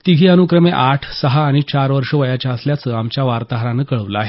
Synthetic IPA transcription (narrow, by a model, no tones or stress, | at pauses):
t̪iɡʱiːənukɾəmeʔaʈʰsəɦaːɽ̃it͡ɕaɾʋəɾʂəʋəjat͡ɕjaəsljat͡səamt͡ɕjaʋaɾt̪aɦɾãnəːkəɭəʋləaɦe